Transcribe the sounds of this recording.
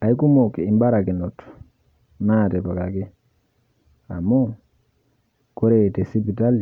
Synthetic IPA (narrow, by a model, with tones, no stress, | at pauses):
a˨i˦ku˦mo˨ki˨mba˦ɾa˨kɪ˨nɔ˨t | na˦˨tɛ˨pa˨ka˨kɪ˦ | a̰˨mo˦ | ko˦ɾe˨tɛ˨si˦pi˨ta˦li˨